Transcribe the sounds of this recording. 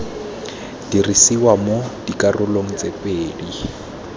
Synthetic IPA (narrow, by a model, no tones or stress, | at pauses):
d̥irisiwamod̥ikʼarʊloŋ̩t͡sepʼeːdi